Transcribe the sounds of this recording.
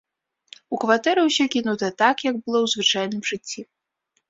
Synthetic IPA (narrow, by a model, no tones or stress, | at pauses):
ukvat̪ɛɾɨwsʲɔkʲinut̪ɐt̪akjɐɡbɨlˠɔwzvɨt͡ʂajnɨmʐɨt͡sʲːi